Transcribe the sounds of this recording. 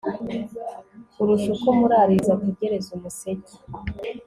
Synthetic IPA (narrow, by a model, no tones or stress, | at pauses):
uɾuʃukomuɾaɾizakuɟeɾezumuseɟa